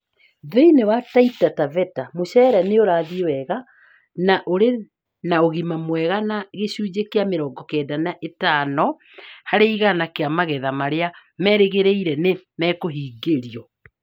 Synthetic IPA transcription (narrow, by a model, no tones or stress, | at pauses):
ðeinewataitatavɛtamoɕɛɾaneoɾaːðiwɛɣa | naʔoɾe | naoɣimamwɛɣanaɣeɕuːd͡ʑekeameɾɔːɡɔkɛːdanaʔetanɔ | haɾeiɣanakeamaɣɛðamaɾea | mɛɾeɣeɾeiɾɛnemɛːkoɦiːɡeɾiɔ